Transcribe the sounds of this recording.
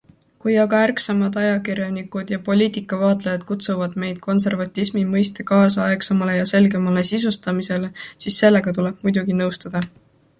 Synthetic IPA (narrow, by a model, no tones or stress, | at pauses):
kujɑɡɑærksɑmɑd̪ɑjɑkiɾjɑnikud̪̥jɑpo̞lʲiːt̪ikˑːɑvɑːt̪ˑlejɑd̪̥kut̪suvɑd̪̥me̞jd̪̥̚kʰo̞ns̬e̞rvɑt̪ʲːˑismimɤjst̪ekɑːsɑɑeksɑmɑle̞jɑse̞lɡe̞mɑle̞sisust̪ɑmise̞le̞sisːe̞lːe̞ɡ̥ɑt̪ule̞b̥̚mujd̪̥uɡ̥inɤwst̪ɑd̪̥ɑ